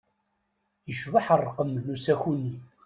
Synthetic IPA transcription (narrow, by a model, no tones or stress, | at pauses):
jəʃvəħərˤːqəmnusæxunːi